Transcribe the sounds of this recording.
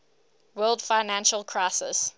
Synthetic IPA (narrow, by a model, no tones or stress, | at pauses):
wɜːlˠdfaɪnæ̃nʃəlˠkʰɹ̥aɪsɪ̰s